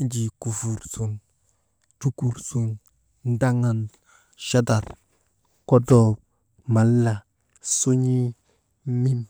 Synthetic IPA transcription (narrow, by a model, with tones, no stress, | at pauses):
d͡ʒi˨ku˨fu˨ɾsu˨n | tu˦ku˨ɾsu˨n | n˦da˦ŋa˨n | ʃa˦da˨t | ko˦do˨ | ma˨lːa˨ | su˦ɲi˦ | mi˦m